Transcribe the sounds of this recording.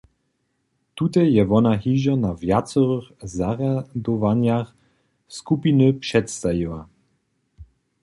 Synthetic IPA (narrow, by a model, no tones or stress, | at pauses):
t̪ut̪ɛjjɛvɔnaɦiʒanavjat͡sɔɾəxzaʁjad̪ɔvaɲjax | skupinəpʂɛt̪st̪ajiwa̰